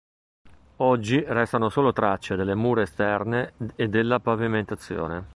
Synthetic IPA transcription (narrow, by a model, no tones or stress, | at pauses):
ɔd͡ʒːirɛst̪anosoːlot̪ɾat͡ʃːed̪elːemuːɾeːst̪ɛrneːd̪ːelːapaviment̪at̪sːjo̰ːne